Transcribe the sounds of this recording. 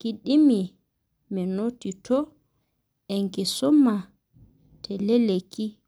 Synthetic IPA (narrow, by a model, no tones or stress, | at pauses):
kiɗimi | mɛnotːitʰɔ | ɛŋkɛsɔmːa | tʰɛleleki